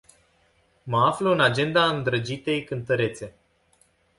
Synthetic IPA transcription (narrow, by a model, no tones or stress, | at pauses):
məafləɨnad͡ʒe̞nd̪aɨnd̪ɾəd͡ʒit̪e̞jkɨnt̪əɾe̞t̪se̞